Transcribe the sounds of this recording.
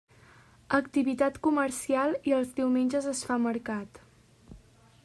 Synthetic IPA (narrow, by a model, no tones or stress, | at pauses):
əkt̪iβit̪at̪kuməɾsialˠiəlˠzdiwmenʲd͡ʒəzəsfaməɾkat̪